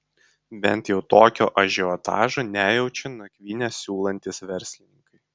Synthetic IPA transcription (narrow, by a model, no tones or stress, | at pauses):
bʲɛ̰nˑt̪jɛʊt̪oːkʲoːʔɐʒʲɛɔt̪ɑ̰ːʒoːnʲæːjɛʊt͡ʃʲɪnɐkʲʋʲiːnʲɛsʲuːlˠɐnʲt̪ʲɪsʋʲɛɾʲsʲlʲɪnʲɪŋkɐɪ